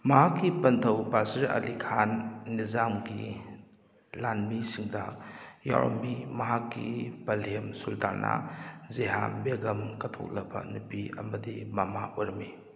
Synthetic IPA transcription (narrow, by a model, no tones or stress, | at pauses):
mɐɦakːipɐntʰɐwbasiɾɐ̰likʰanːizamɡi | lanmisiŋdɐja̰ɾo̰mbimɐɦakːipɐlemsuldaɾnʔa̰zeɦambeɡɐmkɐtʰo̰k̚lɐbɐ̰nupiɐ̰mɐdimɐmauɾmi